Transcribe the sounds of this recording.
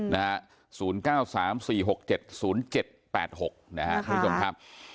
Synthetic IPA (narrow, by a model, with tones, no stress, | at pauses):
na˦˥a˦˥ | suː˩˦nkaː˥˩wsaː˩˦msiː˨˩ɦo˨˩k̚t͡ɕe˨˩t̪̚suː˩˦˥nt͡ɕe˨˩t̪̚pɛ̰ː˨˩t̪̚ho˨˩k̚na˦˥ha̰˦˥ʔkʰo˧mʰ˦o˧mkʰa˦˥p̚